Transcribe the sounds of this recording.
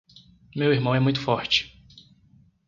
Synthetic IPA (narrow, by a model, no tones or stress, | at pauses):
mewiɾmɐ̃w̃ɛmũj̃t̪ʊfɔɾt͡ʃɪ̥